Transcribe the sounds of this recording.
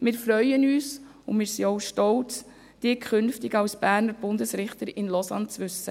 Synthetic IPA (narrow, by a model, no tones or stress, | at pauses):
mɪːɾfɾœʏənyːs | ʊnmɪːɾsiɔʊʃtɔwt͡s | d̥ɪːkʰχʏnftɪɡɑwsb̥æːɾnəɾb̥ʊndəsɾɪχtəɾɪnlɔsɑnt͡sʋʏsːə